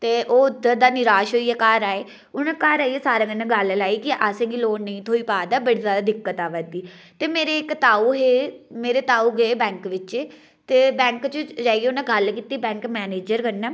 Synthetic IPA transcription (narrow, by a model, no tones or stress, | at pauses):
t̪eːʔoːʊd̪əd̪aːnɪɾaːʃɦoːiːɛːkaːɾaːeː | ʊnãːkaːɾaːiɛːsaːɾãːkənːãːɡəllaːiːkɪʔəsẽːɡiloːnnəĩːt̪ʰoːiːpaːd̪aːbəɽiːzaːd̪aːd̪ɪkːət̪aːʋəd̪iː | t̪eːmeːɾeːkt̪aːuːɦeːmeːɾeːt̪aːuːɡəeːbɛ̃ːŋkʋɪt͡ʃeː | t̪eːbɛ̃ːŋkt͡ʃəd͡ʒaːieːʊnãːɡəlkiːt̪iːbɛ̃ːŋkmɛːneːd͡ʒəɾkənːɛː